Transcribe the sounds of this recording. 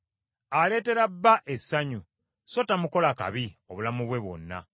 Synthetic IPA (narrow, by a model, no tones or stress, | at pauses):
ale̞ːte̞ɾabːaʔe̞sːaɲu | so̞tamuko̞laka̰βio̞βulamuβwe̞βwo̞̰nːa̰